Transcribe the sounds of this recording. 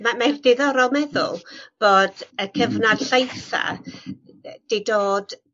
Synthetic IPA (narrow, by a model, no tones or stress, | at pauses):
mamardɪðɔɾɔlˠmɛðʊ̰lˠb̥oːd̥əkʰəvnad̥ɬejθa̰ | d̥ejdoːd̥